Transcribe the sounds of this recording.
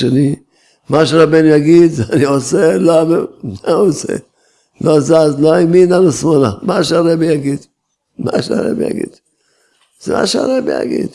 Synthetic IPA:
eni | maʃeɾabenujaɡid̪zanioselomamaosḛ | lozazloiminanosmonamaʃeaɾebijaɡid̪ | ma̰ʃea̰ɾḛbḭja̰ɡḭd̪̥ | z̥ema̰ʃea̰ɾebḭja̰ɡḭd̪

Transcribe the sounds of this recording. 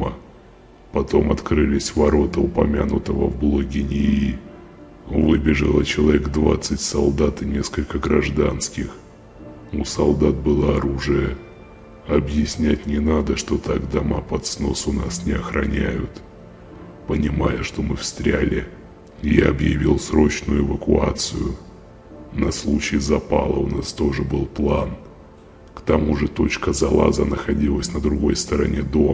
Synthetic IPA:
ə | pɐt̪o̞mɐt̪kɾɨlʲɪsʲvɐɾo̞t̪əʊpɐmʲanʊt̪əvə̰vblˠoɡʲɪnʲɪi | vɨbʲɪʐɨlˠət͡ɕɪlˠɐvʲeɡd̪vat̪sɨtʲsɐlˠd̪at̪ɨnʲe̞skəlʲkəɡɾɐʐd̪anskʲɪx | usɐlˠd̪at̪̚bɨlˠaɐɾuʐɨjə | ɐbjɪsʲnʲæt̚ʲnʲɪnad̪əʂt̪o̞t̪aɡd̪ɐmapɐt̪sno̞sʊnasnʲɪɐxɾɐ̰nʲæjʊt̪ | pənʲɪmajəʂt̪o̞mɨfst̪ɾʲælʲɪ | jaɐbjɪvʲilˠsɾo̞t͡ɕnʊjʊɪvəkʊat̪sɨjʊ | nɐslˠut͡ɕɪːzɐpalˠəʊnast̪o̞ʐɨbɨlˠplˠan | kt̪ɐmuʐɨt̪o̞t͡ɕkəzɐlˠa̰zənəxɐdʲilˠəsʲnəd̪ɾʊɡo̞jst̪əɾɐnʲe̞d̪o̞

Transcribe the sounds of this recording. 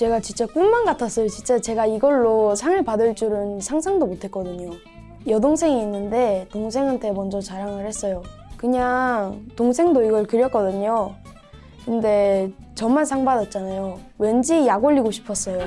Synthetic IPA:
t͡ɕe̞ɡat͡ɕint͡ɕ͈ak͈ummanɡatʰas͈ʌjot͡ɕint͡ɕ͈at͡ɕe̞ɡaiɡʌɭːosʰaŋɯɭpadɯɭt͡ɕ͈uɾɯnsʰaŋsʰaŋdomotʰe̞t̚k͈ʌdɯɲo | jʌdoŋsʰe̞ŋiːnːɯnde̞toŋs̬ʰe̞ŋɦantʰe̞mʌnd͡ʑʌt͡ɕaɾaŋɯɭhe̞s͈ʌjokɯɲaŋtoŋsʰe̞ŋdoiɡʌɭkɯɾjʌk͈ʌdɯɲo | kɯnde̞ | t͡ɕʌmmaɭsʰaŋbadʌt̚t͡ɕ͈anajowe̞nd͡ʑijaɡoʎːiɡoɕʰi̥pʰʌs͈ʌjo

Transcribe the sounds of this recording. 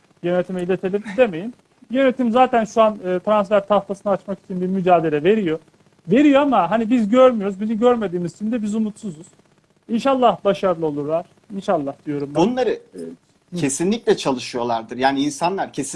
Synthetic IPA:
jø̞net̪ʰimɛilʲet̪ʰelʲimd̪e̞me̞jim | jø̞ne̞t̪ʰimzaːt̪ʰænʃuanɯːt̪ʰɾansfæɾt̪ʰaft̪ʰasɯnaːt͡ʃmaki̥t͡ʃʰinbiɾmyd͡ʒaːd̪e̞lʲɛve̞ɾijo̞ | ve̞ɾijoamaɦanibizɟøɾmyjo̞ɾuzbiniɟøɾme̞d̪iːmizt͡ʃ̪ʰimnd̪ɛbizumut̪suzuz̥ | inʃalˠːahbaʃaɾɯlˠɯo̞lˠuɾlˠaɾ̥ | inʃalˠːahd̪̥ijo̞ɾumbunlˠaɾɯɛ | esinlʲicʲlʲɛt͡ʃʰalˠɯʃɯjo̞lˠaɾd̪ɯɾjaːniinsanlˠaɾcʰesi

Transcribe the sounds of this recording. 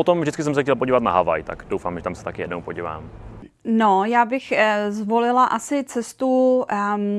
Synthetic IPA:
ot̪omvʒdɪt͡skɪsɛmsɛxcɛlpoɟiːvat̪naɦava̰jt̪a̰kd̥owfaːmʒɛt̪amsɛ̥t̪akɪjɛdnowpoɟiːva̰ːm | nojaːbɪxzvolɪlaʔasɪt͡sɛst̪u

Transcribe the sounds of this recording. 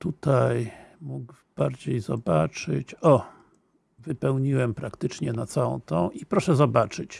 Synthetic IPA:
t̪ut̪ajmuɡb̥aɾd͡ʑejzɔ̰bat͡ʂɘ̰t͡ɕɔ | vɘpɛwɲiwɛmpɾakt̪ɘt͡ʂɲɛnat̪sawɔ̰̃w̃t̪ɔ̃w̃ʔipɾɔʂɛzɔbat͡ʂɘt͡ɕ

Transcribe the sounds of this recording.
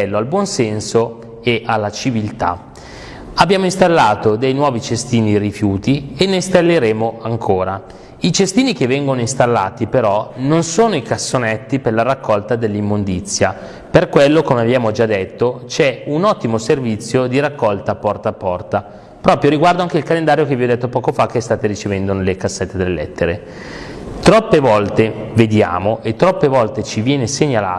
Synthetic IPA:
ɛlːoalbwɔnsɛnso | eʔalːat͡ʃivilt̪a̰ | abːjaːmoinst̪alːaːt̪od̪ejnwɔːvit͡ʃest̪iːnirifjuːt̪ienːest̪alːeɾeːmoʔaŋkʰoːɾa | it͡ʃest̪iːnikevːɛŋɡonoist̪alːa̰ːt̪ipeɾɔnonsoːnoikasːonɛt̪ːiperlːaɾakːɔlt̪ad̪elːimːond̪it̪sːja | perkwelːokomeabjaːmod͡ʒad̪et̪ːot͡ʃɛunɔt̪ːimoservit̪sːjod̪iɾakːɔlt̪apɔrt̪aːpːɔrt̪a | pɾɔːpɾjoɾiɡward̪oaŋk̟eilkalend̪aːɾjokeviɔd̪ɛt̪ːopɔːkofak̟ːest̪aːt̪eɾit͡ʃevɛnd̪onelekasːɛt̪ːed̪elːelɛ̰t̪ːeɾe | t̪ɾɔpːevɔlt̪eved̪ja̰ːmoʔet̪ːɾɔpːevɔlt̪et͡ʃivjɛːneseɲala̰ː

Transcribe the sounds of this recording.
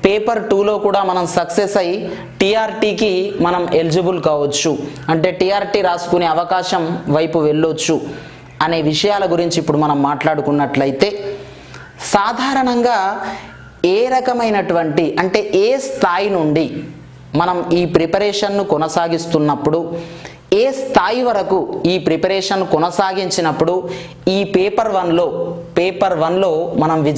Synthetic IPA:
peːpɐɾʈuːlo̞ːkuːɽaːmɐnɐmsɐksesɐji | ʈiːaːɾʈiːkimɐnɐme̞lid͡ʒɐbulkaːʋɐt͡ʃːuɐɳʈe̞ːʈiːaːɾʈiːɾaːsu̥kuneɐʋɐkaːʃɐmʋɐjpuʋe̞ɭːot͡ʃːu | ɐne̞ːʋiʂɐjaːlɐɡuɾiɲt͡ʃiːpːuɽumɐnɐmːaːʈlaːɽukunːɐʈlɐjit̪e̞ː | saːd̪ʱaːɾɐɳɐŋɡaː | eːɾɐkɐmɐjnɐʈuʋɐɳʈiʔɐɳʈe̞ːʔeːst̪ʰaːjinuɳɖi | mɐnɐmiːpɾipɐɾɛːʂɐnːukɔnɐsaːɡist̪unːɐpːuɽu | eːst̪ʰaːjiʋɐɾɐkuiːpɾipɐɾɛːʂɐnːukɔnɐsaːɡiɲt͡ʃinɐpːuɽu | iːpeːpɐɾʋɐnlo̞ːpeːpɐɾʋɐnlo̞ːmɐnɐmʋi

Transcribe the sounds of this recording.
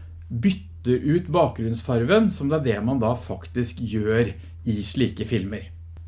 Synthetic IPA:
bʏt̪ːəɾʔʉːt̪bɑːk̚ɡɾʉnsfɑɾʋənsɔmd̪ɛæɖɛmɑnd̪ɑfɑkt̪ɪskjøːɾ | ɪʂɭiːkəfɪlməɾ

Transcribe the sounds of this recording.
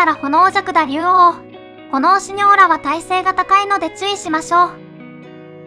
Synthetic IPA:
aɾaho̞no̞ːʑakɯ̟d̪aɾʲɯːoː | ko̞no̞ːɕiɲ̟o̞ːɾaβat̪aise̞ːɡat̪akaino̞d̪e̞t͡sɨiɕimaɕo̞ː

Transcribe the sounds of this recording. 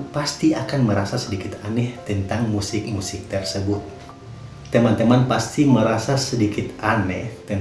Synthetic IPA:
past̪iakanməɾasasədikɪt̪anɛht̪ənt̪aŋmusɪk̚musɪk̚t̪ərsəbʊt̪̚ː | əmant̪əmanpast̪iməɾasasədikɪt̪anɛht̪ən

